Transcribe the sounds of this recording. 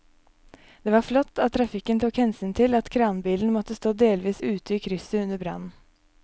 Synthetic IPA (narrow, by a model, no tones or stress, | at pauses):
d̪̥eːʋɑːɾflɔt̪ːɑt̪ʰːɾɑfɪkːənt̪ʰuːkhɛnsyːnt̪ʰɪlɑt̪kʰɾɑːnbiːln̩mɔt̪ːəst̪oːd̪eːlʋiːsʉːt̪əiːkʰɾʏsəʉnəbɾɑ̰nn̩